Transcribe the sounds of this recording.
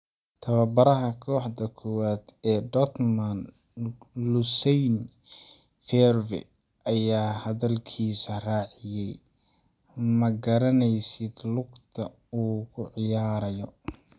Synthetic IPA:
t̪ʰɐβɐbɐɾɐɦɐkʰɔːħd̪ɐkʰɔwaːd̪ɛːd̪ɔt̪mɐn | lʊsɛjn | fɛrvɪ̰ | ɐjaːhɐðɐlkʰiːsɐraːʕɪjɛj | mɐɡɐɾɐnɛjsɪd̪lʊɡt̪ʰɐ | uːkʰʊʕɪjaːɾɐjɔ

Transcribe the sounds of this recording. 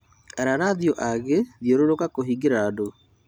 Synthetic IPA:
aɾaɾaðiɔʔaɣeðjoɾoɾokakoɦiɡeɾado

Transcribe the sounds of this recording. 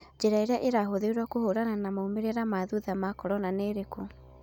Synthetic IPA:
d͡ʒeɾaeɾaʔeɾaɦoðeɾwɔkohoɾananamaumeɾeɾamaðuðamakɔɾɔnaneɾeko

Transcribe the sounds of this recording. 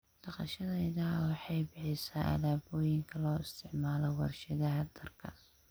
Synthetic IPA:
ɖ̥ɑqɑ̰ʃɐðɛjðɐwɑħɑjbɪħɪsaːʔɐ̰laːbɔːjɪŋkʰɐlɔːɪst̪ʰɪʕmaːlɔwɑrʃɐðɐɦɐd̪ɐrkʰɐ

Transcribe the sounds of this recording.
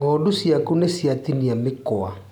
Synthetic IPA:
ɔːdusiakunesiat̪iniamekɔa

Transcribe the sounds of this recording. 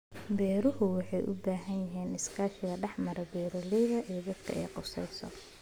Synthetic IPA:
bɛːɾʊɦʊwɑħɑjʔʊ̰baːɦɐnjɐɦiːnɪskʰaːʃɪɣɐɖɛħmɐɾɛbɛːɾɔlɛjðɐʔijd̪ɐd̪kʰɐ̰ɛjqʊsɛjsɔ̰

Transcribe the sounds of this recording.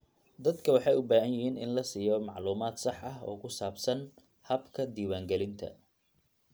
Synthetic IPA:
d̪ɐd̪kʰɐwɑħɑjʊbaːɦɐnjɪɦiːnɪ̰nlɐsiːjɔmɑʕluːmaːd̪sɑħɐɦɔ̰ːkʰʊsaːbsɐn | hɐbkʰɐd̪iːwaːŋɡɛlɪnt̪ʰɐ̰

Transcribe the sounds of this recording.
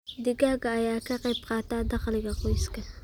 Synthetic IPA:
d̪ɪɡaːɡɐːjaːkʰɐqɑjbqɑːt̪aːd̪ɑqlɪɡɐqɔjskʰɐ

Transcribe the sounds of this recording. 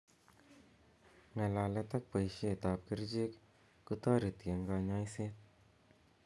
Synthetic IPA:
nɛlaːlɛt̪ɐk̚pəjʃet̪aːp̚kiɾd͡ʒek | kut̪aɾit̪ijəŋɡaɲaːjseːt̪̚

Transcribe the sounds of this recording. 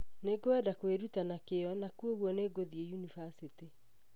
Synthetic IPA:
neɡoɛdakweɾutanakeɔnakuoɣwɔneɡoðiejunivasiti

